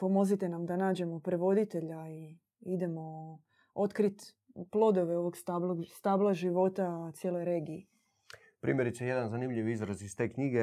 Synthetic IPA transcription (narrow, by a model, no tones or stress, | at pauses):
po̞mo̞zit̪e̞namd̪anaːd͡ʒe̞mo̞pɾeʋo̞d̪it̪e̞ʎai | id̪e̞mo̞ | o̞t̪kɾit̪ | plˠo̞d̪o̞ʋe̞o̞ʋoɡst̪abloɡst̪aːblˠaʒiʋo̞t̪at̪sʲjelo̞jɾe̞ːɡie | pɾḭːmjeɾit̪sejed̪anzanimʎiʋizɾaziz̥t̪e̞ːkɲiɡe